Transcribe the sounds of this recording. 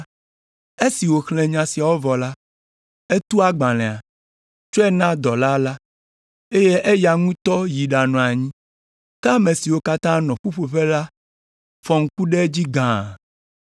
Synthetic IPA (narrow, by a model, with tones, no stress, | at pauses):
e˦si˨wo˨xlɛ̃˨ɲã˨si˨a˨wo˦vɔ˨la˦ | e˦t̪u˦a˦ɡ͡bã˨lɛ̃˨a˨ | t͡ʃo˦ɛ˦nã˦d̪ɔ˨la˦la˦ | e˦je˦ʔe˦ja˨ŋũ˦t̪ɔ˦ji˨ɖa˨nɔ̃˨a˨ɲĩ˦ | t̪a˦mẽ˨si˨wo˦ka˦t̪ã˦nɔ̃˨ɸu˦ɸo˨ɸe˦la˦ | fɔ˨ŋ̩˦ku˦ɖe˦d͡ʑi˦ɡã˨